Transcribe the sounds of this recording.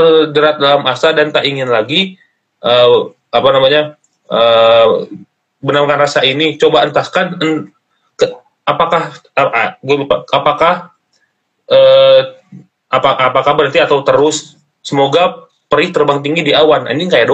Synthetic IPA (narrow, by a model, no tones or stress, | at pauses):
ədəɾat̪̚dalamasadant̪aʔiŋɪnlaɡi | ʔə | apanamaɲa | ə | bənamkanrasainit͡ʃobaənt̪askanən | kə | apakahaɡuabipaapakah | ə | aaapakahbəɾənt̪iat̪awt̪əɾʊs | səmoɡa | pəɾɪt̪ərbaŋt̪iŋɡidiawana̰niŋkajaʔdo